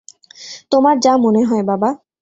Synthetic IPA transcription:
t̪omaɾd͡ʑamoneɦɔebaba

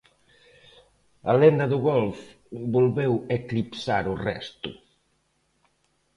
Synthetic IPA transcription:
alend̪aðuɣɔlf | bolβeweklipsaɾurɛ̰st̪ʊ̰

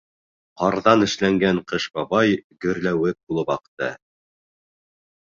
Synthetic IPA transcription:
qɑɾðɑnɘ̆ʃlæŋɡæɴqɤʃbɑbɑjɡɵ̆ɾlæwɘk̚bulˠɤpɑqt̪ɤ

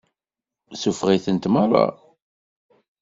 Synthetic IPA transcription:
sufʁiθənt̪maɾˤɑ̰

